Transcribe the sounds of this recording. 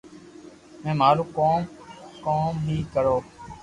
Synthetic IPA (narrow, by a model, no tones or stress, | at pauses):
mɛ̃ːmaːɾũːkoːmkoːmɦĩːkəɾoː